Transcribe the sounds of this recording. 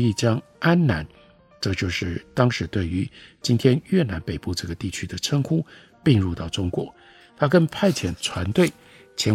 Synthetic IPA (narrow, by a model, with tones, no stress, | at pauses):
i˥˩t͡ɕjɑ˥ŋ | a˥nna˧˥n | ʈ͡ʂɤ˥˧t͡ɕjo˥˧ʊʂɻ̩˥˩t̪ɑ˥ŋʂɻ̩˧˥t̪we˥˩ɪy˧˥t͡ɕi˥nt̪ʰjɛ˥nɥɛ˥˩na˧˥npe˨˩ɪpu˥˧ʈ͡ʂɤ˥˩ɡə˩t̪i˥˩t͡ɕʰy˥d̪ə˨ʈ͡ʂʰə˥ŋkʰu˥ | pi˥˧ŋɻu˥˧t̪ɑ˥˩ʊʈ͡ʂʊ˥ŋkwɔ̰˧˩˦ | t̪ʰa˥kə˥npʰa˥˩ɪt͡ɕʰjɛ˨˩nt͡sʰwa˧˥nt̪we˥˩ɪ | t͡ɕʰjɛ˧˥n